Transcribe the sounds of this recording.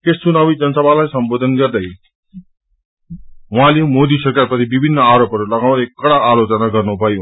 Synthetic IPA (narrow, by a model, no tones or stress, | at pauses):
kest͡sunawid͡zʌnsʌbʱalajsʌmbod̪ʱʌnɡʌrd̪ʌj | wũɦãlemod̪isʌkaɾpʌt̪ibibʱinːʌaɾopʌɾulʌɡaw̃ɾʌekːʌɽaːlot͡sʌnaɡʌrnubʱʌj